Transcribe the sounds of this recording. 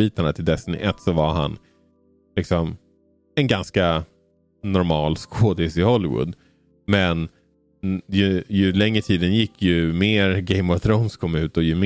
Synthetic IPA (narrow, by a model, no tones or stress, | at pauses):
iːt̪aɳat̪ʰɪld̪ɛst̪nɪ̰ʔɛt̪ːsɔvaɾha̰n | lɪksɔm | ɛnɡanska | nɔɾmɑːlskʰoːd̪ɪsɪhɔlːɪwʊ̰d̪ | mɛn | jɵjɵlɛŋːɾət̪ʰiːd̪ənjɪkʰːjɵmeːɾɡɛɪmɔvθɾoʊnskʰɔmːʉ̟ːt̪ɔjɵm